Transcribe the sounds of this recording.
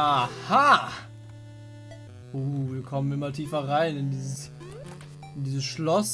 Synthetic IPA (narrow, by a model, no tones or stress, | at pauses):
aha | ʔoːviːɐkʰɔmənɪmɐtʰiːfɐʁaɪnɪndiːzəs | ɪndiːzəsʃlɔs